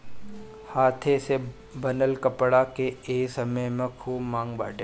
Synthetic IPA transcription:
haːt̪ʰese | bənəlkəpɽakeeːksəməjmẽkʰuːbmãːŋɡba̰ːʈe

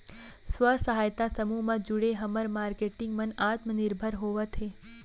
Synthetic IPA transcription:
sʋəsəɦajt̪asəmumãd͡ʒuɽeɦəməɾmaːɾkeʈɪŋɡmənat̪mənɪɾbʱəɾɦoʋat̪ʰe

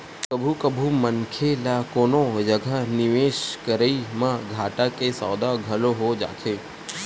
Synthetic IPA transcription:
kəbʱukəbʱumənkʰelakonod͡ʒəɡʱaniʋeʃkəɾəimãɡʱaʈakesɔ̰ːd̪aɡʱəloɦod͡ʒa̰t͡ʃʰe

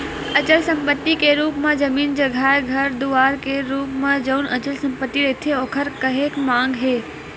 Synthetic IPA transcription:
ət͡ʃəlsə̃mpət̪ːikeɾuːpmãd͡ʒəmiːnd͡ʒəɡʱaːɾɡʱəɾd̪uaːɾkeɾuːpmãd͡ʒəwnʔət͡ʃəlsə̃mpət̪ːiɾet̪ʰeoːkʰəɾkəɦeːkmãːŋɡɦeː

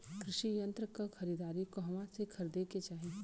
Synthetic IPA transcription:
kɾɪʃijɐ̃nt̪ɾəkaxɐɾid̪aːɾikoɦɐmãsekʰɐɾd̪eket͡ʃaːɦie

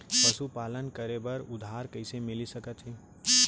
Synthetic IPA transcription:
pəsupaːlənkəɾebəɾʊd̪ʱaːɾkəɪsemɪlisəkət̪ɦiː

